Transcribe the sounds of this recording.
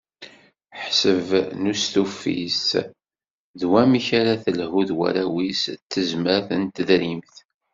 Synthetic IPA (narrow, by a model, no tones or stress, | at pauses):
ħsəvnust̪ufːḭs | ðwæmiçaɾaθəlɦuðwæ̰ɾæwist̪ːəzməɾθənt̪əðɾimθ